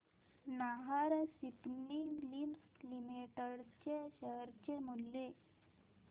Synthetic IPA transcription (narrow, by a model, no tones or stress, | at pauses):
naɦəɾsipnilimslimiʈəɽt͡ɕeɕəɦɾt͡ɕemulːe